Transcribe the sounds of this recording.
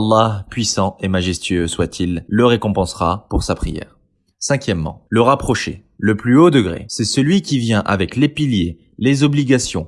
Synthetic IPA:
ɑlˠːɑpɥisɑ̃emaʒɛst̪ɥøswat̪ʰilːəʁekɔ̃pɑ̃sʁa̰puʁsapχijɛ̰ːʁ | sɛ̃kʲjɛmːɑ̰̃ləʁapχɔʃḛ | ləplyod̪əɡʁḛsɛsəlɥikʲivjɛ̃ʔavɛklepilje | lezɔbliɡasjɔ̃

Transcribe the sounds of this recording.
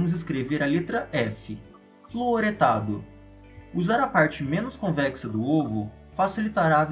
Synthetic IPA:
mʊzɪs̬kɾeveɾɐlet̪ɾɐɛfɪ | floɾet̪ad̪ʊ | uzaɾɐpaɾt͡ʃɪmẽnʊskõvɛksɐd̪ʊovʊ | fasilit̪aɾav

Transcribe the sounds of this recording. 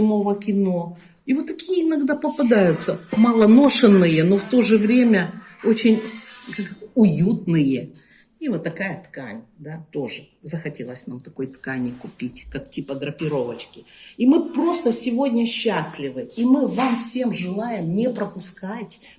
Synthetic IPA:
ɪmo̞vəkʲɪno̞ | ivot̪ːɐkʲijəɪnɐɡd̪apəpɐd̪ajʊt̪səmalˠəno̞ʂɨnːɨjəno̞ft̪o̞ʐɨvɾʲemʲəo̞t͡ɕɪnʲkakʊjut̪nɨjə | ivot̪ːɐkajət̪kanʲd̪at̪o̞ʐɨzəxɐtʲe̞lˠəsʲna̰mt̪ɐko̞jt̪kanʲɪkʊpʲitʲkak̚tʲipəd̪ɾəpʲɪɾo̞vət͡ɕkʲɪimɨpɾo̞st̪əsʲɪvo̞dʲnʲəɕːasʲlʲɪvɨimɨvamfsʲe̞mʐɨlˠajɪmnʲepɾəpʊskatʲ

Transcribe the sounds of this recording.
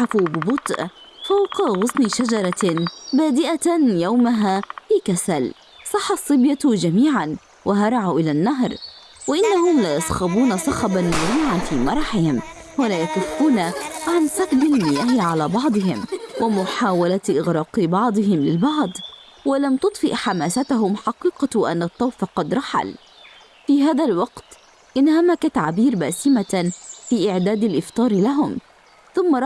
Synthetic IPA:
afubɪbʊt̪ˤʔfawqɣʊsnɪʃad͡ʒɑɾˤɑbaːd̪ɪʔajawmaɦaːfiːkasal | sˤɑħːɑsˤːɨbjad͡ʒamiːʕan | waɦɑɾˤɑʕuʔɪlanːaɦɾˤ | waʔɪnːaɦʊmlajɑsˤxɑbuːnasˤɑxɑbanmʊɾiːʕanfiːmɑɾˤɑħɪhɪmwalaːjat̪ːafquːnaʕansabd̪almɪjaːhɪʕalaːbɑʕd̪ˤɨɦɪ̰mwɪmʊħaːwalaʔɪɣɾˤɑːqɨbɑʕd̪ˤɨɦɪmlɪlbɑʕd̪ˤ | walamt̪ʊt̪ˤfɪʔħamaːsat̪aɦʊmħɑqiːqɑʔa̰nːɑt̪ˤːɑwfɑqɑd̪ɾˤɑħa̰l | fiːɦaːðalwɑqt̪ | ʔɪnhamakat̪aʕbiːɾbaːsɪmafiːʔɪʕd̪aːd̪alʔɪft̪ˤɑːɾlaɦʊm | θʊmːa

